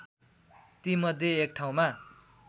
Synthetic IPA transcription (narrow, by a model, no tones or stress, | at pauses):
t̪imʌd̪ʱjeek̚ʈʰaw̃ma